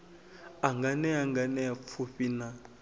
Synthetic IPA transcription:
aŋɡanɛaŋɡanɛafʰuɸina

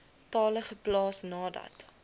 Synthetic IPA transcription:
tɑːləχəplɑːsnɑːdɐ̰t

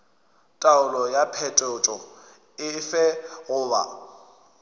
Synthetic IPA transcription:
tʼaʊlɔjapʰɛtʼɔt͡ʃʼɔ | ɪfɛɣʊːba̰

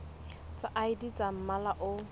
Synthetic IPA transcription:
t͡saʔaidit͡sam̩malaʔʊ

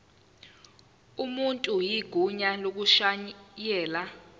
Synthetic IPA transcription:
umuntʼujiɡ̥ʱuɲalok̬uʃajɛːla

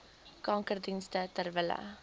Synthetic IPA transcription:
kɑŋkərdinstətərvələ̰

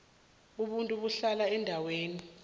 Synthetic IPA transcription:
uɓuntʼuɓuɬalaɛndʱaweːni

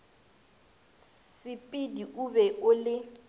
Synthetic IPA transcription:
sɪpʼɪdiʔubɛʔʊlɪ

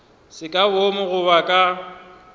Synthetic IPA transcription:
sɪkʼabomʊɣʊβakʼa

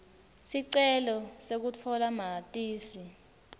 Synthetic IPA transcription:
siǀɛlɔsek̬ut͡fʰɔlamatʼiːsi

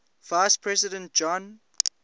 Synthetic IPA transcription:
vajspʰɹɛsidə̃nt̚d͡ʒɔ̃n

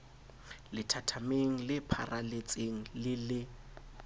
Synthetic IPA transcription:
lɪtʰatʰameŋ̩lɪpʰa̰rʔalet͡sʼeŋ̩lɪlɪ

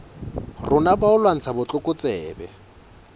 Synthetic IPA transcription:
rʊnabaʊlwan̩t͡sʰabʊt͡ɬʼʊkʼʊt͡sʼɛːbɛ̰

